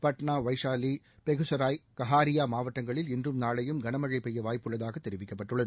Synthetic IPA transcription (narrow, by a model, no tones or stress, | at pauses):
pɐʈɳaːʋɐɪʂaːli | pɛɣɯsɐɾaːjkɐɦaːɾɪjaːmaːʋɐʈːɐŋɡɐɭɪlɪndrɯmnaːɭɐjɯmɡɐnɐmɐɻɐɪpːɛjːɐʋaːjpːɯɭːɐðaːɣɐt̪ːɛɾɪʋɪkːɐpːɐʈːɯɭːɐðɯ